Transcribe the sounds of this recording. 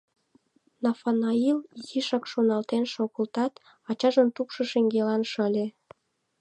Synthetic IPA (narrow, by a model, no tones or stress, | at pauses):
nɑfɑnɑiljiʃɑkʃonɑlt̪enʃoɣəlt̪ɑt̪ | ɑt͡ɕɑʒənt̪ukʃɤ̆ʃeŋɡelɑnʃəlʲe